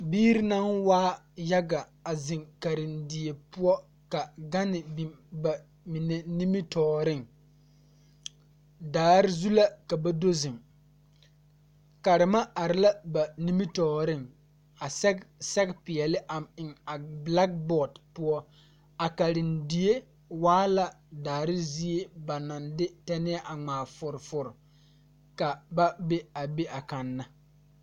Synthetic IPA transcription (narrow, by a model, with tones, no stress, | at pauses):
biː˦ɾɪ˦na˦nwaː˦ | ja˦ɡa˨ | a˨zɪ˨ŋka˨ɾɪ˨ndi˨e˨pʊ˦ɔ˦ | ka˨ɡa˦nɪ˨bi˨mba˨ | mi˨ne˨ni˦mi˦tɔː˨ɾɪ˦˨ŋ | daː˨˦ɾɪ˦zu˦la˦ka˨ba˦do˦zɪ˨ŋ | ka˨ɾɪ˨ma˦a˨ɾɪ˦la˦ba˨ni˦mi˦tɔː˨ɾɪ˦ŋ | a˨ssɛ˦ɡpɪ˨ɛ˨lɪ˦ʔa˨mɪ˨ŋa˨bla˦k̚bɔ˨dpʊ˦ɔ˦ | a˨ka˨ɾɪ˨ndi˨e˦ | waː˦la˦ | daː˨ɾɪ˦zi˦e˦ba˨na˨ndɪ˦tɛ˦nɪ˦ɛ˦ʔa˨ŋ͡maː˨fʊ˨ɾfʊ˨ɾ | ka˨ba˦be˦a˨be˦ʔa˨ka˨nːa˦